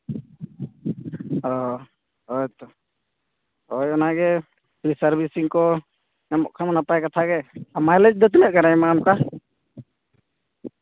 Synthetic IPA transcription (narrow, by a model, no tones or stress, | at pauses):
ɔ | ɔjt̪ɔ | ɔjɔnaɡɛ | pɾisaɾbisiŋkɔ | namɔ̰ʔkʰamanapajkat̪ʰaɡɛamajlɛd͡ʒd̪ɔt̪̬unɛʔ̚kaɾajmamka